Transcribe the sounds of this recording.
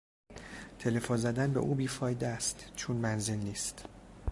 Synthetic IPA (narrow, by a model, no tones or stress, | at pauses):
t̪ʰe̞le̞fonzæd̪ænbe̞ʔuːbiːfɒːjd̪eæst̪t͡ʃʰonmænze̞lniːst̪